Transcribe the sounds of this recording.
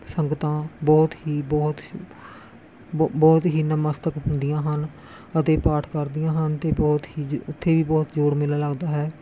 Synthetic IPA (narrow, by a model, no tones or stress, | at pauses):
səŋɡt̪ãːbɔːt̪ɦiːbɔːt̪ | bɔːt̪ɦiːnəməst̪əkɦʊ̃nd̪ɪjãːɦən | ət̪eːpaːʈʰkəɾd̪ijãːɦənt̪eːbɔːt̪ɦiːʊt̪ʰːeːʋiːbɔːt̪d͡ʒoːɽmɪlaːləɡd̪aːɦɛː